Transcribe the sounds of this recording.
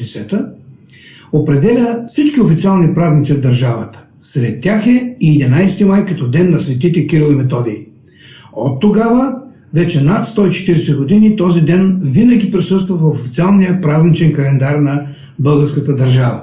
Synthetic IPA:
ɛsɛt̪ə | opɾɛd̪ɛlʲəfsit͡ʃkiofit̪sialˠnipɾaznit̪sivd̪ɐɾʒavət̪ə̥ | sɾɛt̪ʲːaxɛiːd̪inajsɛt̪imajkɐt̪ɔd̪ɛnːɐsvɛt̪it̪ɛkiɾilˠimɛt̪ɔd̪iː | ot̪ːoɡavə | vɛt͡ʃɛnat̪st̪ɔit͡ʃɛ̥t̪iɾɛsɛɡod̪init̪ɔzid̪ɛnvinəɡ̟ipɾisɤst̪vəvɐfofit̪sialˠnijəpɾaznit͡ʃɛnkɐlɛnd̪aɾnɐ | bɤlˠɡəɾskət̪əd̪ɐɾʒavə̰

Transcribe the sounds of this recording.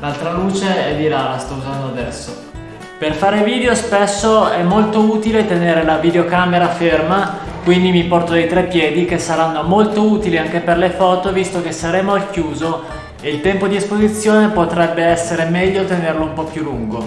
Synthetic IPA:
lalt̪ɾaluːt͡ʃeɛd̪iɾalast̪ɔuzand̪oad̪ɛsːo | perfaːɾeviːd̪eospesːoɛmːolt̪ouːt̪ilet̪eneːɾelavid̪eokameɾafermakwind̪imipɔrt̪od̪ejt̪ɾɛpːjɛːd̪ikesːaɾanːomolt̪ouːt̪iliaŋk̟eperlefɔːt̪ovist̪ok̟esːaɾeːmoalkjuːzo | eilt̪ɛmpod̪iespozit̪sːjoːnepot̪ɾɛbːeɛsːeɾemɛʎːot̪enerloumpɔpjulːuŋɡo

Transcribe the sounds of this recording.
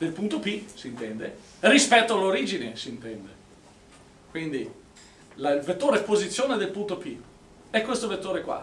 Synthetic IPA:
d̪̥elpunt̪opisint̪ɛnd̪e | rispɛt̪ːoaloɾiːd͡ʒinesint̪ɛnd̪e | kwind̪i | lailvet̪ːoːɾeɛpozit̪sːjoːned̪elpunt̪opi | ɛkːwest̪ovet̪ːoːɾekwa̰

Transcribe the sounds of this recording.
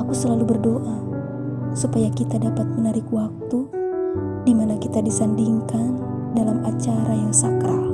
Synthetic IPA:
akusəlalubərdoʔa | supajakit̪adapat̪̚mənaɾɪkwak̚t̪u | dimanakit̪adisandiŋkan | dalamat͡ʃaɾajaŋsakɾa

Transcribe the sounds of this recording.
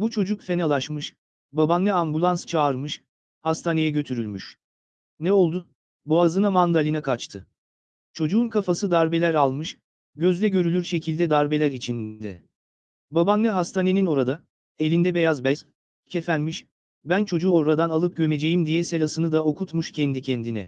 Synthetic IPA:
but͡ʃʰo̞d͡ʒukfe̞nalˠaʃmɯʃ | babanːɛambulˠanst͡ʃʰaːɾmɯʃ | hast̪ʰaːne̞jɛɟø̞t̪ʰyɾylʲmyʃ | nɛo̞lˠd̪u | buazɯnamand̪alʲinakʰat͡ʃt̪ʰɯ | t͡ʃʰo̞d͡ʒuːnkʰafasɯd̪aɾbe̞lʲæɾalˠmɯʃ | ɟø̞zlʲɛɟø̞ɾylʲyɾʃe̞cʰilʲd̪ɛd̪aɾbe̞lʲæɾit͡ʃʰind̪ɛ | babanːʲɛɦast̪ʰane̞nino̞ɾad̪a | e̞lʲind̪ɛbe̞jazbɛs | cʰefænmiʃ | bænt͡ʃʰo̞d͡ʒuoɾad̪analˠɯp̚ɟø̞me̞d͡ʒe̞jimd̪ijɛse̞lʲasɯnɯd̪ao̞kʰut̪muʃcʰɛnd̪icʰɛnd̪inɛ̰

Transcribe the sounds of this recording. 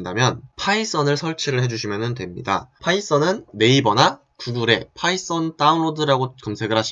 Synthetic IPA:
ndamjʌnpʰais͈ʌnɯɭsʰʌɭt͡ɕʰiɾɯɭɦe̞d͡ʑuɕʰimjʌnɯntwe̞mɲḭda̰pʰais͈ʌnɯnːe̞ibʌna | kuɡuɾe̞̰pʰais͈ʌnt͈aunɭodɯɾaɡokʌmsʰe̞ɡɯɾɦaɕʰ

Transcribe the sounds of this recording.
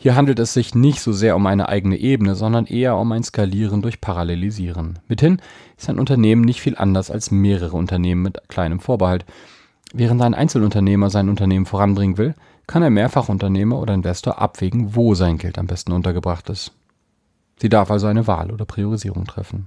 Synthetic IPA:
hiːɐɦandl̩tɛsz̥ɪçnɪçtz̥oːzeːɐʊmʔaɪnə̰ʔa̰ɪɡənəʔeːbənəzɔndɐnʔeːɐʊmaɪnskaliːʁ̞əndʊɐçpʰaʁaleliziːʁ̞ənmɪthɪnɪstaɪnʔʊntɐneːmənɪçtfiːlʔa̰ndɐsa̰lsmeːʁəʁ̞əʊ̰ntɐneːmənmɪtkʰl̥aɪnəmfoːɐbəhalt | vɛːʁəntaɪnʔa̰ɪnt͡sl̩ʊntɐneːmɐzaɪnʊntɐneːmən̩foːʁanbʁɪŋənvɪl | kʰanaɪnmeːɐfaχʔʊntɐneːmɐʔo̰ːdɐɪnvɛstoːɐʔa̰pv̥eːɡŋ̩voːzaɪnɡɛ̰lta̰mbɛstn̩ʔʊntɐɡəbʁaχtɪst | z̥iːdaɐfalzoaɪnəva̰ːlʔo̰ːdɐpʁ̥ioʁiziːʁʊŋtʁ̥ɛ̰fn̩

